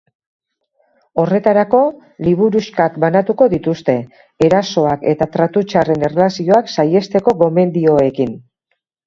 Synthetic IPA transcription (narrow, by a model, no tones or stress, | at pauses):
o̞re̞t̪aɾako̞ | liβ̞uɾuʃkakbanat̪uko̞ðit̪ust̪e̞ː | ɾaso̞ake̞t̪at̪ɾat̪ut͡ʃare̞ne̞relasio̞aksaje̞st̪e̞ko̞ɣo̞me̞nd̪io̞e̞kin